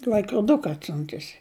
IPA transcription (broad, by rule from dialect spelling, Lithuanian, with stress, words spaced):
lʲɐɪkroːˈdʊkɐ ɐtʲˈsʲʊntʊsʲɪ